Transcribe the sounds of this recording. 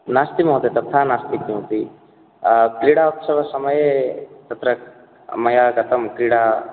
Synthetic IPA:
naːst̪imɐɦt̪et̪ɐt̪ʰanaːst̪ikːũɦt̪i | kliɽaupsɐʋɐsɐmɐjet̪ɐt̪ɾɐ | mɐjaɡɐt̪ɐmkɾiɽa

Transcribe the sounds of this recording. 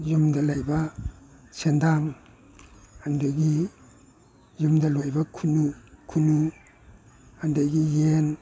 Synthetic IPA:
jumdɐlajba | sendaŋ | andaɡi | jumdɐlojbɐkʰunukʰunu | handajɡijen

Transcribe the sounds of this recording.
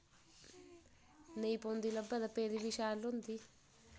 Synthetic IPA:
neːpond̪ilɐbɐd̪ɐpeɾiʋiʂaːlund̪i

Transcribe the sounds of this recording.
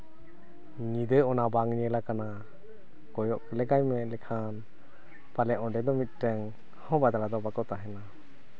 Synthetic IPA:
ŋid̪ɯjɔnabaŋniɛlakana | kɔjɔʔkəlɛkajmɛlɛkʰan | palɛʔɔndɛd̪ɔmit̪̚ˀtɛŋ | hɔbad̪alad̪ɔbakɔt̪aɦɛna

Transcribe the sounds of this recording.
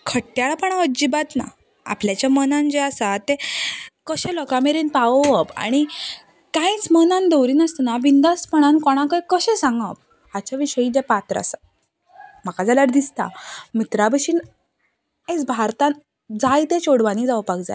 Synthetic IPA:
kʰəʈːjaɭapəɳaəd͡ʑibat̪na̰ | a̰pljat͡ɕjamənãnd͡ʑeasat̪ekəɕẽlɔkameɾiːnpaʋʋəpa̰ɽ̃i | kãjt͡smənãnd̪əwɾiːnast̪naʋind̪aspəɽ̃ankɔɽ̃ãkəjkəɕẽsãŋɡəp̚ | at͡ɕaʋiɕəid͡ʑepat̪ɾa̰sa | makad͡zalaɾd̪ist̪a̰mit̪ɾabəɕiːn | et͡sbʱaɾt̪ãn | d͡zajt̪et͡ɕoɽʋaniːd͡zawpakd͡za̰j

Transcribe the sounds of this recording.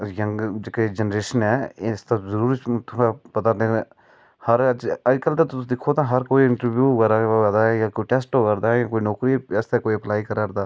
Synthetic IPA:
jə̃ŋɡd͡ʒeked͡ʒənɾeːʃənɦɛːst̪azəɾuːɾit͡ʃt̪ʊãpɐt̪ãt̪ẽ | hɐɾd͡ʒɐd͡ʒkəlt̪et̪ʊd̪ɪkʰot̪ãɦɐɾkoːiɪ̃ɳʈəɾbjuːkɐɾad̪aːɛjãːkoːiʈesʈokɐɾd̪aːɛjãːkoːinɔːkɾiɛst̪ekoːiəplaːikɐɾaɾd̪aː

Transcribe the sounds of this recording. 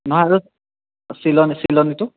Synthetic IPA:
nɔɦaaɹu | silɔnisilɔnitʊ

